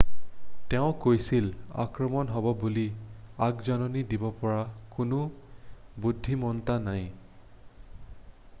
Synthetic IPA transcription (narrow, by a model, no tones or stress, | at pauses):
tɛʊ̃kojsila̰kɹɔmɔnɦɔbɔbuliaɡzanɔnidibɔpɔɹakʊnʊ | budʱːimɔntanaj